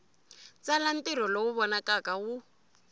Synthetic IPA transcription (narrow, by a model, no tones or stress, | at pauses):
t͡salan̩tiɾ̤ɔlɔwuβɔnakʼakawu